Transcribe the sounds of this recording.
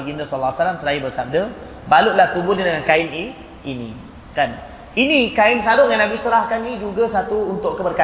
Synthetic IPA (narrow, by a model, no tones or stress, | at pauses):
ɡinasɔlasalamsəɾaibərsab̚də | baluʔlaht̪ubʊnadəŋankaɪni | inḭ̃ | kan | inikaɪns̬adʊŋanabisuɾahkanid͡ʒuɡasat̪uːnt̪ʊʔkəbərka